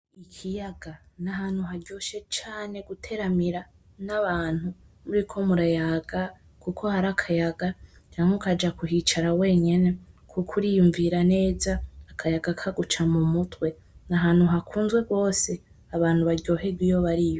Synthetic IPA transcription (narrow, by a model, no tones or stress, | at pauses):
ikʰijaɡ̥a | naɦaːn̥huɦaɾɟo̞ːʃe̞t͡ʃaːne̞ɡutʰe̞ɾamiɾa | naβaːn̥hu | muɾikʰo̞muɾajaɡa | kukʰo̞haɾakʰajaɡat͡ʃaːŋhokad͡ʒakuɦit͡ʃaɾawe̞ːɲe̞ne̞kʰukʰuɾijuɱviɾane̞ːzaːkʰajaɡakʰaɡut͡ʃamumutwe̞ | naɦaːn̥huɦakʰuːnzɡwe̞ɡwo̞ːse̞ | aβaːn̥huβaɾɟo̞ːɦe̞ɡwijo̞βaɾijo̞